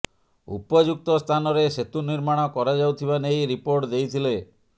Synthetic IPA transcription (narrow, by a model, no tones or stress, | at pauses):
ṵpɔd͡ʒuk̚t̪ɔst̪ʰanɔɾeset̪uniɾmaɽ̃ɔkɔɾad͡ʒawt̪ʰiβanejɾipoɾʈd̪ejt̪ʰile